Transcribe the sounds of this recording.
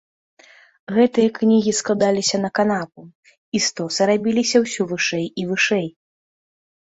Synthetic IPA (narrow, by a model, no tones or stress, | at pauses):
ɣɛt̪ɨjɐknʲiɣʲisklˠad̪alʲisʲɐn̪ɐkanap̚u | ist̪ɔsɐɾabʲilʲisʲɐwsʲuvɨʂɛjivɨʂɛj